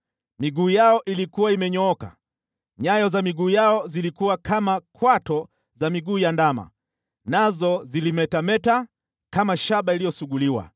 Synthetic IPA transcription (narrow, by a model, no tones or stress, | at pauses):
miɠuːjaɔʔilikuwaimɛɲɔɔka̰ | ɲajɔzamiɠuːjaɔzilikuwakʰamakʰwatɔ | zamiɡuːjandama̰ | nazɔzilimɛtamɛta | kamaʃaɓailijɔsuɠuliwa̰